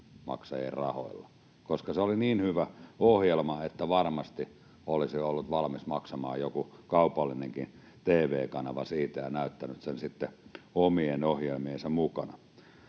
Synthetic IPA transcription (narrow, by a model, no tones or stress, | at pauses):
mɑ̰ksɑjḛrrɑ̰ho̰ilːɑ | koskɑseoliniːnhyʋæohjelmɑet̪ːæʋɑrmɑst̪i | olisiolːut̪ʋɑlmismɑksɑmɑ̰ːjjokukɑupɑlːineŋkin | t̪eːʋeːkɑnɑʋɑsiːt̪æjɑnæˑyt̪ːænyt̪sensit̪ːeomienohjelmiensɑmukɑnɑ